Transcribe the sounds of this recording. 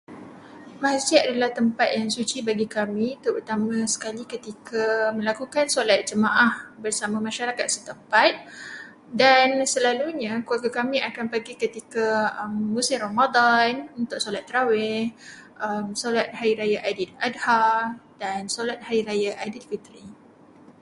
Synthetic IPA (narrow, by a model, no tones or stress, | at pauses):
maɦasiadalaht̪əmpat̪̚jaŋsut͡ʃibaɡikamĩt̪uurt̪amãsə̥kalikət̪ikʰamə̃lakukansolat̪̚d͡ʒəmaʔahbərsamãmaʃaɾakat̪̚sət̪əmpat̪̚ | dansəlaluɲãkuaɡakamĩakanpaɡikət̪ikaəmːusɪmromad̪anunt̪ʊʔsolat̪ːɾawɛh | əmsolat̪̚haɾiɾajaʔadiladhadansolat̪̚haɾiɾajaʔadilfit̪ɾi